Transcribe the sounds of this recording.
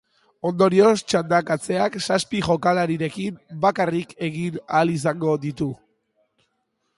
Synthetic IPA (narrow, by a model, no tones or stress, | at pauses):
o̞nd̪o̞ɾio̞st͡ʃand̪akat͡se̞aksaspiʝo̞kalaɾiɾe̞kimbakarike̞ɣinalis̬aŋɡo̞ðit̪u